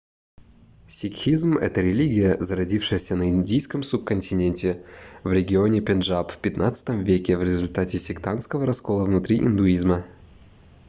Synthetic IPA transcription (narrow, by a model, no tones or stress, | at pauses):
sʲɪkxʲizmɛ̰t̪əɾʲɪlʲiɡʲɪjəzəɾɐdʲifʂɨjəsʲənəɪnʲdʲijskəmsup̚kənʲtʲɪnʲenʲtʲɪvɾʲɪɡʲɪo̞nʲɪpʲɪnʐapfʲpʲɪt̪nʔat̪sɨ̥t̪əmvʲekʲɪvɾʲɪzʊlʲt̪atʲɪsʲɪkt̪anskəvəɾɐsko̞lˠəvnʊt̪ɾʲiʔɪ̰nd̪ʊizmə